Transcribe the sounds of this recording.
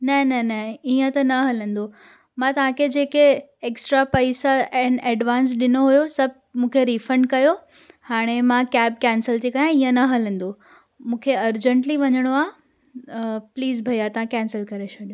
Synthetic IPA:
nɐnɐnɐiə̃t̪ɐnɐɦɐlə̃nd̪o | mãt̪ɐʋ̤ãkʰed͡ʑeːke | eːksʈɾapɐɪsaɛ̃nɛːɖʋaːns̬ɗɪnoɦujosɐb̚ʱmũːkʰeɾifɾə̃ɳɖ̚kɐjo | haːɽ̃emãkɛːb̚kɛːnsəlt̪ikajãiːə̃nɐɦɐlə̃n̆d̪o | mũːkʰeɐɾd͡ʑə̃ɳʈliʋɐɲəɽ̃oaː | pliːzbʱɐjat̪ɐʋ̤ãkɛ̃ːnsəlkɐɾet͡ɕʰɐɗijõ

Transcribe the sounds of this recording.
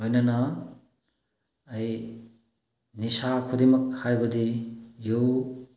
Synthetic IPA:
lojnanɐ | j | nisakʰudemɐk̚hajbɐdijuw

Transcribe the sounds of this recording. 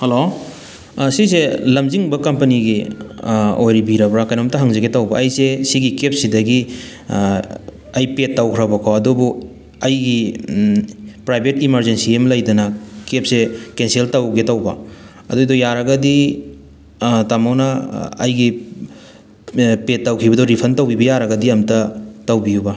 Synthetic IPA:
helo | siselɐmziŋbɐkɐmpɐniɡi | ojɾibiɾɐbɾakajnɔmtaɦaŋzaɡetawbɐːjsesiɡikep̚sidɐɡi | ɐjpetːawkʰɾabakʰawɐdɔbu | ɐjɡi | pɾajbʱetimɐɾzensiemlɐjdɐnɐkep̚sekenseltawɡetawbɐ̰ | ɐdodɔjaɾɐɡɐdi | tamawnɐɐ̰jɡi | petːawkʰibɐdɔɾipʰɐntawbibɐjaɾɐɡɐdiɐmtɐtawbijubɐ

